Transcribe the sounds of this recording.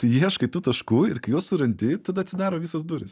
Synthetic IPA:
t̪ɐɪjiɛʃkɐɪt̪uːt̪ɐʃkuːɪɾkɐɪjoːsʊɾɐnʲd̪ʲɪt̪ɐd̪ɐt̪ʲsʲɪd̪ʲæːɾoːʋʲisɐsd̪uːɾʲɪs

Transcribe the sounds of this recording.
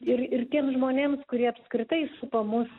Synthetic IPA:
ɪrɪrt̪ʲiɛmsʒmoːnʲeːmskʊɾʲiɛɐpskɾʲɪt̪ɐɪsʊpɐmʊs

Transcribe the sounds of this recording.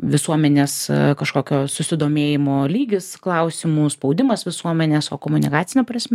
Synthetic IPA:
ʋʲɪsuɔmʲɛnʲeːskɐʃkoːkʲoːsʊsʲɪd̪oːmʲeːjɪmoːlʲiːɡʲɪsklˠɐʊsʲɪmuːspɒʊd̪ʲɪmɐsʋʲɪsuɔmʲɛnʲeːsoːkoːmʊnʲɪ̰kɑːt̪sʲɪnʲɛpɾɐsʲmʲɛ

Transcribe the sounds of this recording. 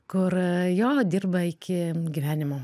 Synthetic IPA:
kʊrjoːd̪ʲiːrbɐɪkʲɪɡʲiʋʲæːnʲɪmoː

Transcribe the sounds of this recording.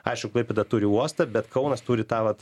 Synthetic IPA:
ɐɪʃkʊklˠɐɪpʲɛd̪ɐt̪uːɾʲɪuɔst̪ɐbʲɛt̪kɐʊnɐst̪uːɾʲɪt̪ɑːʋɐt̪

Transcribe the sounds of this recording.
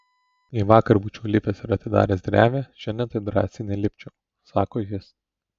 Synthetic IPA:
iːʋɑːkɐɾbuːt͡ʃʲuːlʲɪpʲɛsɪɾɐt̪ʲɪd̪ɑ̰ːɾʲeːsd̪ʲɾʲæːʋʲeʃʲɪnd̪ʲɛnt̪ɐɪd̪ɾɑ̰ːsʲɪnʲɛlʲɪpʲt͡ʃʲʊ | sɑːkoːjɪs

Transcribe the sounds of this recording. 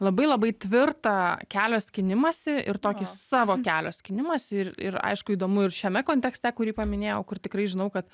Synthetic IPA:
lˠɐbɐɪlˠɐbɐɪt̪ʲʋʲɪrt̪ɐkʲæːlʲoːsʲkʲɪnʲɪmɐsʲɪɪ̰rt̪oːkʲɪsɑːʋoːkʲæːlʲoːsʲkʲɪnʲɪmɐsʲɪɪɪ̰rɐ̰ɪʃkʊiːd̪oːmʊɪrʃʲɛmʲɛkoːnʲt̪ʲɛksʲt̪ʲɛkʊɾʲiːpɐmʲɪnʲeːjɛʊkʊrt̪ʲɪkɾɐɪʒʲɪnɐʊkɐt̪

